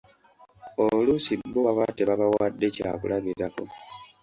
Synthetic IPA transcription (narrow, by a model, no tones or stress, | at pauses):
olusibːoawateβaβawadːe̞caːkṵlaβiɾako